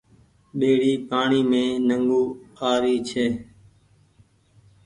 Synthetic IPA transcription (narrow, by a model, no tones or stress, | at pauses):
ɓeːɽiːpaːɳiːmẽːnəŋɡuːaːɾiːt͡ʃʰeː